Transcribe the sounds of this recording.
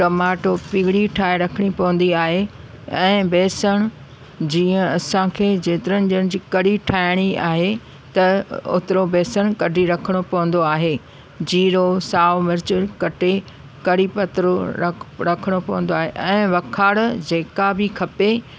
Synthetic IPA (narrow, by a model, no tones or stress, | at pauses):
ʈɐmaːʈopiɦɽiʈʰaːeɾɐkʰəɽ̃ipɐʋə̃n̆d̪iaːɦe | ɛ̃ːbeːsəɽ̃ʊ | d͡ʑiːə̃ɐsãkʰeːd͡ʑeːt̪ɪɾənɪd͡ʑəñɪd͡ʑiːkɐɽiʈʰaːɪɽ̃ia̰ːɦe | t̪ɐʊ̰t̪ɾobeːsəɽ̃kɐɖʱiɾɐkʰəɽ̃opɐʋə̃nd̪oaːɦeː | d͡ʑiːɾosaːʋmɪɾt͡ɕəɾkɐʈe | kɐɽipɐt̪ɾoɾɐkʰəɽ̃opɐʋə̃nd̪oaːɦeʔɛ̃ːʋɐkʰaːɽd͡ʑeːkabɪkʰɐpe